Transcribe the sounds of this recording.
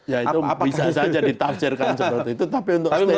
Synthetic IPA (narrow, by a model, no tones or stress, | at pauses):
jaiubbisasad͡ʒadit̪af̚t͡ʃərkansəət̪it̪ut̪apiunt̪ʊkse